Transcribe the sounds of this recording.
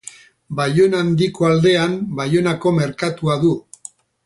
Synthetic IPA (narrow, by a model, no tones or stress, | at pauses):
bajo̞nand̪iko̞ald̪e̞ambajo̞nako̞me̞ɾkat̪uaðu